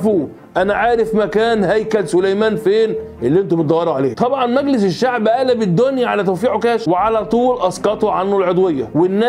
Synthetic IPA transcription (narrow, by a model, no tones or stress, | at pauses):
fu | ʔænæʕaːɾefmækæːnhæjkælsʊlæjmæːnfeːnʔelːiːʔent̪ubet̪d̪ɑjːɑɾˤɑʕaleːt̪ˤɑbʕɑnmæɡlɪs̬eʃːaʕbʔæːlæbɪd̪ːonjæʕalæt̪æwfiːʕokæːʃweʕalæːt̪ˤuːlʔɑskɑt̪oʕanːolʕod̪wejːæ̰wɪnːæ